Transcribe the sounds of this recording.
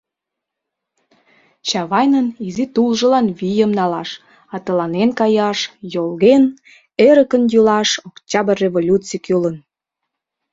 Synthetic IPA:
t͡ɕɑβɑjnənizit̪ulʒə̆lɑnβijəmnɑlɑʃ | ɑt̪əlɑnenkɑjɑʃjolɣen | eɾəkənjulɑʃokt͡ɕɑbərevolʲut͡sikulən

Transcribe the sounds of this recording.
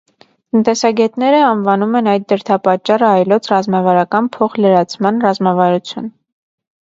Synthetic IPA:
t̪ənt̪ɛsɑɡɛt̪nɛɾəɑnvɑnumɛnɑjd̪̚d̪əɾt̪ʰɑpɑt͡ʃːɑrəɑjlɔt͡sʰrɑzmɑvɑɾɑkɑnpʰɔχləɾɑt͡sʰmɑnrɑzmɑvɑɾut͡sʰjun

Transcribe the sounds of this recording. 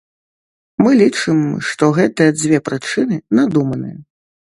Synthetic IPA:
mɨlʲit͡ʂɨmʂt̪ɔɣɛt̪ɐɐd͡zʲvʲɛpɾɨt͡ʂɨnɨnad̪umɐnɨ̰jɐ

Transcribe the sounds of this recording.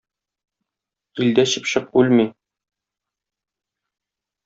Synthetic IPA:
ild̪æɕɘpɕɤq̚ʉlmi

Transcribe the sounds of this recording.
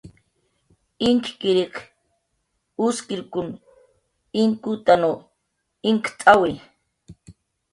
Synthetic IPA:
ɪŋkkɪɾik | ʊskɪɾkʊn | ɪŋkut̪ano | ɪŋkt̪ʼawe

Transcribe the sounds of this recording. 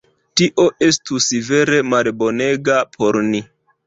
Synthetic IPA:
tiʔo̞ʔe̞stusive̞ɾe̞malbo̞ne̞ɡapʰo̞ɾni

